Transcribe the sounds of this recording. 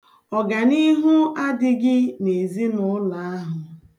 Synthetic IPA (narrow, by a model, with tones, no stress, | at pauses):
ɔ˨ɡa˨ni˦ɦʊ˦a˦dɪ˦ɡɪ˦ne˨zi˦nʊ˦la˨a˦ɦʊ˨